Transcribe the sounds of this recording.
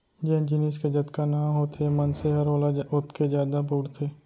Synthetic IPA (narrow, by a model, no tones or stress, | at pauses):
d͡ʒɛ̃d͡ʒɪniːsked͡ʒɐt̪kanãːɦoːt̪ʰemənseɦɐɾoːlaʊt̪ʰked͡ʒjaːd̪abuːɽt̪ʰeː